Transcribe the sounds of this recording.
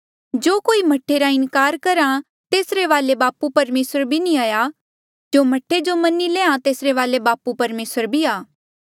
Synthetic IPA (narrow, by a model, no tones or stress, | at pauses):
d͡ʒoːkoːimɐʈʰːeɾaɪ̃nkaːɾkɐɾã | t̪eːsɾeʋaːlebaːpupɐɾmeːsəɾbʱinĩaːja | d͡ʒoːmɐʈʰːed͡ʒomɐnilẽːãt̪eːsɾeʋaːlebaːpupɐɾmeːsəɾbʱiaː